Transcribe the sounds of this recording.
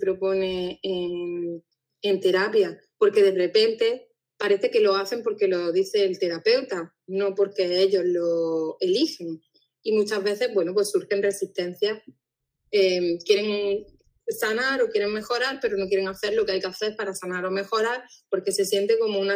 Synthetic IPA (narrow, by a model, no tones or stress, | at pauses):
pɾo̞po̞ne̞eŋ | ent̪e̞ɾapja | po̞ɾke̞ðe̞re̞pe̞nt̪e̞ | paɾe̞θe̞ke̞lo̞aθe̞mpo̞ɾke̞lo̞ðiθe̞ːlt̪e̞ɾape̞wt̪a | no̞po̞ɾke̞e̞ʎo̞zlo̞e̞lixe̞ŋ | imut͡ʃazβe̞θe̞zβwe̞nop̬we̞suɾxe̞nresist̪e̞n̟θja | emkje̞ɾe̞ŋ | sanaɾo̞kje̞ɾe̞ŋme̞xo̞ɾaɾpe̞ɾo̞no̞k̬je̞ɾe̞ŋaθe̞ɾlo̞keajke̞aθe̞ɾpaɾasanaɾo̞me̞xo̞ɾaɾpo̞ɾke̞se̞sje̞nt̪eko̞moũna